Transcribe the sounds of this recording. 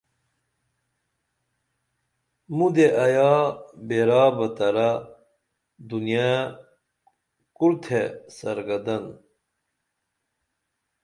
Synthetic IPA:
mud̪eʔɐjaːbeɾaːbɐt̪ɐɾa | d̪unija | kuɾt̪ʰesɐɾɡɐd̪ɐn

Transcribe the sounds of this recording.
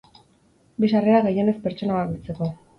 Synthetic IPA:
bisareɾaɣeje̞ne̞spe̞ɾt͡ʃo̞nawakit͡se̞ko̞

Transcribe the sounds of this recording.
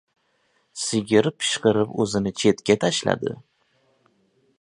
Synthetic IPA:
sɪɡʲɪɾpʰɪ̥ʃqɨɾɪpɵzɪnɪt͡ʃʰe̞t̪kʲat̪ʰaʃla̰d̪ɪ̰

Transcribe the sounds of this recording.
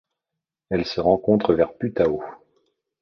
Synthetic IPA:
ɛlsəʁɑ̃kɔ̃t̪χəvɛʁpyt̪ao

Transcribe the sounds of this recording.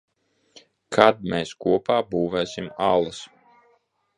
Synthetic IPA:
kʰad̪̚meːskuɔpaːbuːvɛːsimalˠɐs

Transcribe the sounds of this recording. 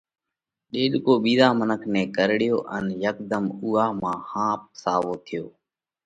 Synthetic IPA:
ɗeːɗkoːɓiːzaːmənəkʰnẽːkəɾɽɪjoːʔənjəkd̪əmuːaːmãːhãːp̚saːʋoːt̪ʰɪjoː

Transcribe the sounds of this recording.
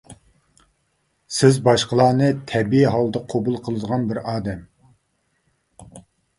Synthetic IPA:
sɪzbɑʃqʰəlˠɑːnɨt̪ʰɛɾbijɛɦɑlˠd̪əqʰobulˠqʰəlˠɨd̪əʁɑnbɪɾɑːd̪ɛm

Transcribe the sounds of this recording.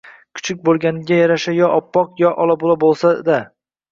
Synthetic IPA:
kʰʊ̥t͡ʃʰɪk̚ʲbolˠɡʲanɪɡʲajaɾaʃajɒʔɒpːɒqjɒʔɒlˠabolˠabolˠsad̪a

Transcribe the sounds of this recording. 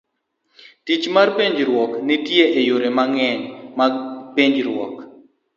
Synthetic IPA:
tit͡ʃmarpeɲd͡ʒɾwɔknɪtjeʔejoɾemaŋɛɲmapeɲd͡ʒɾwɔk

